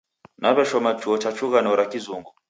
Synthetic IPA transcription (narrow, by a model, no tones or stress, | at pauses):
naβɛʃɔmat͡ʃuɔt͡ʃat͡ʃuɣanɔɾakizuŋɡɔ